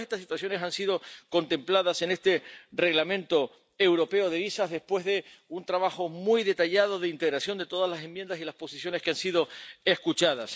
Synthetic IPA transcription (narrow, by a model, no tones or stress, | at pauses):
est̪asːit̪waθjo̞ne̞sansiðo̞ko̞nt̪e̞mplaðase̞ne̞st̪e̞re̞ɣlamẽ̞nt̪o̞ | ewɾo̞pe̞oðe̞βisaɦðespwe̞ɦðe̞unt̪ɾaβaxomujðe̞t̪aʎað̞oðeint̪e̞ɣɾasjo̞nd̪et̪o̞ðazlasẽ̞mbjend̪asilaspo̞sisjoneskeansið̞o̞e̞skut͡ʃaðas